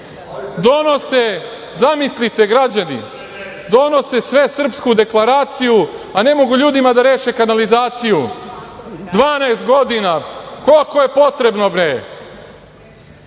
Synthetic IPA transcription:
d̪o̞no̞se | zamislit̪e̞ɡɾad͡ʑanḭ | d̪o̞no̞se̞sʋe̞sr̩pskud̪e̞klˠaɾaːt̪sijuane̞mo̞ɡuʎuːd̪imad̪aɾe̞ːʃe̞kanalizaːt̪siju | d̪ʋaːnajst̪̚ɡo̞d̪inakolko̞je̞po̞t̪ɾe̞bno̞bɾe

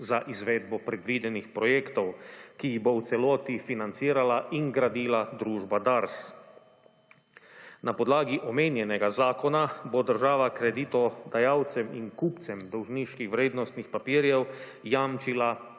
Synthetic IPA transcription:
zaʔizʋeːd̪bɔpɾɛd̪ʋiːd̪ɛnixpɾɔjeːkt̪ɔwkiiɣbɔwt̪sɛlɔːt̪ifinant̪siːɾalaʔiŋɡɾad̪iːlad̪ɾuːʒbad̪aɾs | napɔd̪laːɡiʔɔmeːnjɛnɛɡazaːkɔnabod̪əɾʒaːʋakɾɛd̪iːt̪ɔd̪ajaːwt̪sɛminkuːpt̪sɛmd̪ɔwʒniʃkixwʋɾeːd̪nɔst̪nixpapiːɾjɛw | jamt͡ʃila

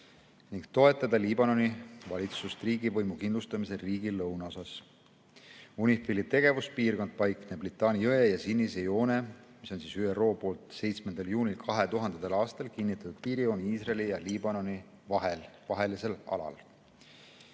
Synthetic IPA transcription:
niŋɡ̥̚t̪o̞e̞t̪ːˑɑd̪̥ɑliːbɑno̞nivɑlit̪sust̪riːɡivɤjmukinlust̪ɑmise̞lriːɡ̥ilːɤwnɑo̞sɑs | unʲifilit̪e̞ɡ̥e̞vuspiːrko̞nd̪̥̚pɑjkneblit̪ːˑɑːniɤejɑsinʲːise̞jo̞ːne̞ | miso̞nsiːsyero̞ːpo̞ːlt̪se̞jt̪smend̪̥ɑljuːnʲilkʰɑɦe̞t̪uɦɑnd̪̥et̪elɑːst̪ɑlkinːit̪ːˑɑt̪ud̪̥̚piːɾijo̞niiːsrɑlijɑliːbɑno̞ni | vɑelvɑɦe̞liselɑ̰lɑ̰l

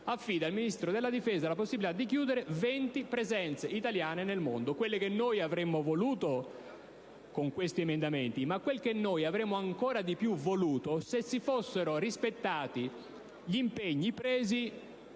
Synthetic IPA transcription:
afːiːd̪ailminist̪ɾod̪elːad̪ifeːzalaposːibilit̪ad̪ːikjuːd̪eɾevent̪ipɾezɛnt̪seʔit̪aljaːnenelmo̰nd̪okwelːekenːoːjavɾemːovoluːt̪o | koŋkwest̪iemend̪ament̪imakːwelkenːoːjavɾemːoaŋkoːɾad̪ipjuvoluːt̪osesːifosːeɾorispet̪ːaːt̪i | ʎimpeɲːipɾeːzi

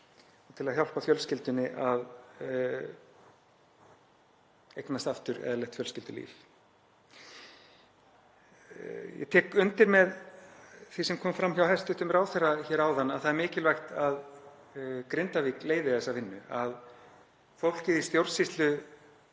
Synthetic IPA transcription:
ɔt̪ʰɪlaðçjaw̪pafjœlscɪlt̪ʏnːɪʔað | ejknast̪aft̪ʏɾɛ̰ðalɛht̪fjœlscɪlt̪ʏlḭːf | jɛ̰t̪ʰɛːkʏnt̪ɪɾmɛð | θisɛmkʰɔːmfɾamːçawɦɛst̪ʏht̪ʏmɾaːwθɛraçɛːɾaːwðanːaðθaðɛɾmɪːcɪlvajxt̪að | kɾɪnt̪aviːkleːjðɪθɛsːavɪnːʏað | fowl̥cɪðist̪jowɾsist̪lʏ

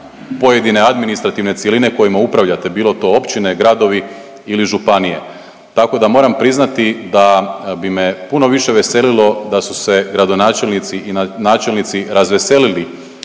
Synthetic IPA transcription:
po̞je̞d̪ine̞ad̪minist̪ɾat̪iʋne̞t̪sjeline̞ko̞jimaupɾaʋʎat̪e̞biːlo̞t̪o̞opt͡ʃine̞ɡɾad̪o̞ʋi | iliʒupanije̞̰ | t̪ako̞d̪amo̞ɾampɾiznat̪id̪abime̞puno̞ʋiʃe̞ʋe̞se̞lilo̞d̪asuse̞ɡɾad̪o̞naːt͡ʃe̞lnit̪siʔinnaːt͡ʃe̞lnit̪siɾazʋese̞lili

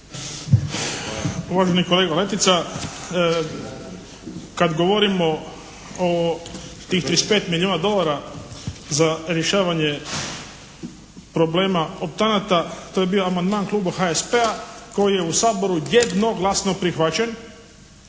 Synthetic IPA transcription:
uʋaːʒeniko̞leːɡale̞t̪it̪sa | kad̪ɡo̞ʋoɾimo̞ | ot̪iːxt̪ɾispeːt̪miljoːnad̪o̞laɾa | zaɾjeʃaːʋaɲe | pɾo̞bleːmaop̚t̪anat̪at̪oje̞bio̞amand̪maːnklˠuːbaxaespeako̞jije̞usaːbo̞ɾujed̪no̞ɡlˠasno̞pɾixʋat͡ɕen

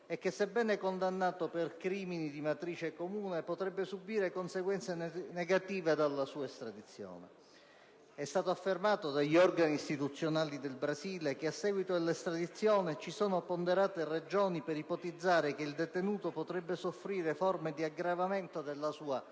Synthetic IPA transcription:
ɛkːesːebːɛːnɛkond̪anːaːt̪operkɾiːminid̪imat̪ɾiːt͡ʃekomuːnepot̪ɾɛbːesubiːɾekonseɡwɛnt̪seneɡat̪iːved̪alːasuːaest̪ɾad̪it̪sːjo̰ːnḛ | ɛst̪aːt̪oafːermaːt̪od̪aʎːiɔrɡaniːst̪it̪ut̪sːjonaːlid̪elbɾaziːlek̟easːɛːɡwit̪od̪elːest̪ɾad̪it̪sːjɔːnɪt͡ʃisɔːnopond̪eɾaːt̪ered͡ʒɔːnipeɾipot̪id̪zːaːɾekeild̪et̪enuːt̪opot̪ɾɛbːesofɾiːɾefɔrmed̪iaɡɾavament̪od̪elːasuːa

